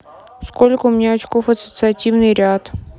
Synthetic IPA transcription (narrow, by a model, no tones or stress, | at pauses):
skolʲkəʊmʲɪnʲaɐt͡ɕkofɐsət̪sɨɐtʲivnɨjɾʲat̪